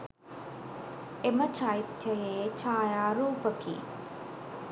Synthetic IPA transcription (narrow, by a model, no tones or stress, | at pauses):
emət͡ʃɐit̪jɐjeːt͡ʃaːjaːɾuːpəkḭː